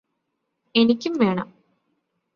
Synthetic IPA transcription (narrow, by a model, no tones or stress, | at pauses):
enikʲːumʋe̞ːɳɐm